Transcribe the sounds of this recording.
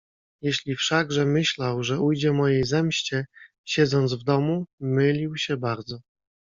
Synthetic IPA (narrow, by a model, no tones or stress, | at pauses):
jeɕlʲifʂaɡʐɛmɘɕlawʐɛujd͡ʑɛmɔjejzɛmɕt͡ɕɛ | ɕɛd̪zɔnd̪zvd̪ɔmumɘlʲiwɕɛbaɾd̪zɔ